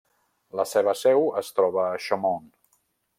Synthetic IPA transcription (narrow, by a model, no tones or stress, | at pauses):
ləseβəsɛwəst̪ɾɔβəːʃəmɔn